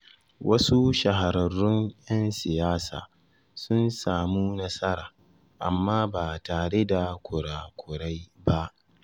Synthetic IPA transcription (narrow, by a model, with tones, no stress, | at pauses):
wʔɐ˦su˦ʃɐ˨ɦa˨ɾɐ˨rːʊ˦ŋjɐ˦nsɪ˨jaː˦sa̰ː˨ | sʊ˦nsaː˨mu˦nɐ˦sɐ˦ɾaː˨ | ʔa̰˨mːaː˦baː˨taː˨ɽe˦da˨kʷʰʊ˨ɽaː˨kʷʰʊ˨ɽa˦jba˦ʔ